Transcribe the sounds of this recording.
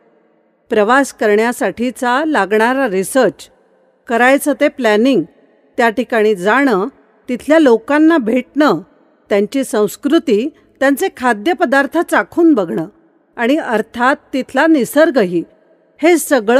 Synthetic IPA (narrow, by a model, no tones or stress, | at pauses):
pɾəʋaskəɾɳjasaʈʰit͡salaɡɳaɾaɾisəɾt͡ɕ | kəɾajt͡sət̪eplæniŋɡ | t̪jaʈikaɽ̃id͡zaɽ̃ə | t̪it̪ʰljalokanːabʱeʈnə | t̪jaɲt͡ɕiːsə̃w̃skɾut̪iː | t̪jãnt͡sekʰad̪jəpəd̪aɾt̪ʰət͡sakʰuːnbəɡɳəː | aɽ̃iəɾt̪ʰat̪ːit̪ʰlanisəɾɡəɦiː | hesəɡɭ